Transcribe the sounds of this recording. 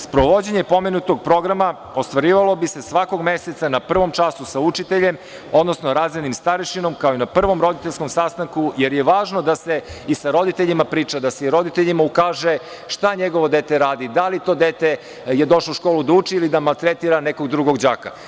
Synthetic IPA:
spɾoʋo̞d͡ʑeɲepo̞menut̪o̞ɡ̚pɾo̞ɡɾama | o̞st̪ʋaɾiːʋalˠo̞bisesʋako̞ɡmeset̪sanapr̩ʋo̞mt͡ʃasusaut͡ʃit̪eʎe̞m | o̞d̪no̞snoɾaːzenimst̪aɾiʃino̞mkaoinapr̩ʋo̞mɾo̞d̪it̪eʎʲsko̞msast̪aŋkuje̞ɾjeʋaːʒnod̪aseisaɾo̞d̪it̪e̞ʎimapɾiːt͡ʃad̪aseiɾo̞d̪it̪eʎimaukaːʒe | ʃt̪aɲe̞ɡo̞ʋo̞d̪e̞ːt̪e̞ɾaːd̪id̪alit̪o̞d̪et̪e | je̞d̪o̞ʃlouʃkoːlˠud̪aut͡ʃiilid̪amalˠt̪ɾet̪iɾaneko̞ɡd̪ɾuɡo̞ɡd͡ʑaːka̰

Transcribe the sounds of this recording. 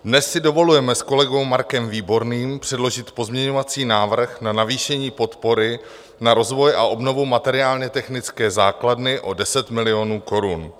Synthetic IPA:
dnɛsːɪdo̞vo̞lujɛmɛsko̞lɛɡo̞wmaɾkɛmviːbo̞ɾniːmpr̥ɛdlo̞ʒɪt̪po̞zmɲɛɲo̞vat͡siːnaːvr̩xnanaviːʃɛɲiːpo̞t̪po̞ɾɪ | naɾo̞zvo̞jʔa̰ʔo̞bno̞vumat̪ɛɾɪaːlɲɛt̪ɛxnɪt͡skɛːzaːkladnɪʔo̞dɛsɛt̪mɪlɪo̞nuːko̞ɾun

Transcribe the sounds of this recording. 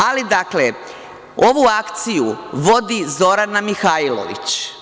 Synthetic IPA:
alid̪akle | o̞ʋuakt̪sijuʋo̞d̪izo̞ɾanamixailˠo̰ʋḭt͡ɕ

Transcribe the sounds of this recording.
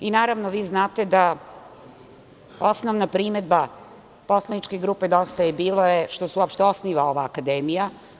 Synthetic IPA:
inaːɾaʋnoʋiːznaːt̪e̞d̪a | o̞snoʋnapɾimed̪̚ba | po̞slˠanit͡ʃkeɡɾuːped̪o̞st̪ajebiːlˠo̞jeʃt̪osuopʃt̪eo̞sniːʋao̞ʋaːkad̪eːmija

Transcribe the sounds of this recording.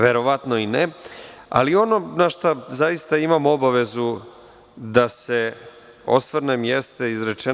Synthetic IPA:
ʋe̞ɾo̞ʋat̪no̞ine | a̰lio̞no̞naʃt̪azaist̪aimamo̞baʋe̞zu | d̪ase̞ | o̞̰sʋrnemjest̪e̞izɾe̞t͡ʃe

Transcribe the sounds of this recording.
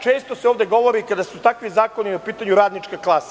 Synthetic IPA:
t͡ʃeːst̪oseoːvd̪e̞ɡo̞ʋo̞ɾikad̪asut̪akʋizaːko̞niopiːt̪aɲuɾaːd̪nit͡ʂkaklˠasḁ

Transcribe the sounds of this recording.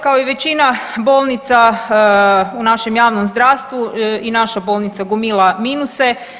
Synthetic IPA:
kao̞iʋe̞t͡ɕinabo̞lˠnit̪sa | unaʃe̞mjaːʋnomzd̪ɾaːʋst̪ʋuinaʃabo̞ːlˠnit̪saɡumilˠaminuse

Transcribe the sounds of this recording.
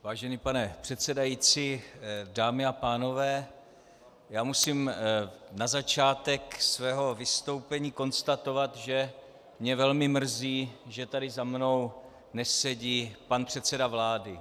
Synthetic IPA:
vaːʒɛniːpanɛpr̥ɛt̪sɛdajit͡sidaːmɪapaːno̞vɛː | jaːmusiːm | nazat͡ʃaːt̪ɛksvɛːɦo̞vɪst̪o̞wpɛɲiːko̞nst̪at̪o̞vat̪ʒɛ | mɲɛvɛlmɪmr̩ziːʒɛt̪adɪzamno̞w | nɛsɛɟiːpanpr̝̥ɛt̪t͡sɛdavlaːdɪ

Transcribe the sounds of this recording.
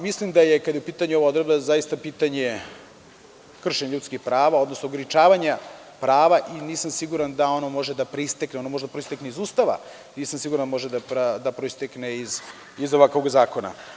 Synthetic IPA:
mislimd̪ajekad̪jupiːt̪aɲuoʋaod̪ɾebd̪azajist̪apiːt̪aɲe | kr̩ʃeɲeʎut̪skixpɾaːʋao̞d̪nosnoɡɾit͡ʃaːʋaɲa | pɾaːʋaʔiniːsamsiɡuɾand̪ao̞no̞mo̞ʒed̪apɾeist̪ekneonomoʒed̪apɾoist̪ekneizuːst̪aʋa̰ | niːsamsiɡuɾand̪amo̞ʒed̪apɾad̪apɾoist̪ekneiz | izoʋakʋoɡzaːko̞na̰

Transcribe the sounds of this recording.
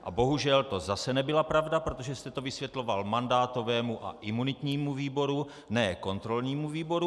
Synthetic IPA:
ʔa̰bo̞ɦuʒɛlt̪o̞zasɛnɛbɪlapɾavdapɾot̪o̞ʒɛst̪ɛt̪o̞vɪsvjɛt̪lo̞valmandaːt̪o̞vɛːmuʔa̰ʔɪmunɪt̪ɲiːmuviːbo̞ɾu | nɛːko̞nt̪ɾo̞lɲiːmuviːbo̞ɾu

